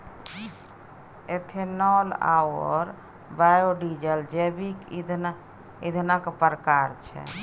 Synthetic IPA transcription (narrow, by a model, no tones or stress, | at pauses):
et̪ʰenɔla̰wɔɾ | bajoɖid͡ʒəld͡ʒebikd̪ | id̪ʱnakpəɾəkaɾt͡ʃʰɛ̰